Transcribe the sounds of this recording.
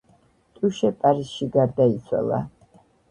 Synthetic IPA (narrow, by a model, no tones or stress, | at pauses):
t̪ʼuʃɛpʼaɾisʃiɡaɾd̪ait̪sʰwa̰lˠa̰